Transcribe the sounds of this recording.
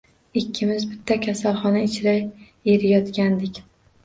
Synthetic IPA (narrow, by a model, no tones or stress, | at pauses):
ɪkʲʰːɪmɪzbɪt̪ʰːakʲʰasalˠχɒnaɪt͡ʃʰɾaj | eɾɪjɒt̪kʲand̪ɪkʲ